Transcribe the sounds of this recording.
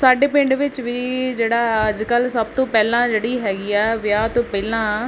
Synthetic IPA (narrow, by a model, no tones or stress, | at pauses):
saːɖeːpɪ̃ɳɖʋɪt͡ʃʋiːd͡ʒeːɽaːəd͡ʒkəlsəb̚t̪õːpɛːlãːd͡ʒeːɽiːɦɛːɡiːɛːʋɪjaːt̪õːpɛːlãː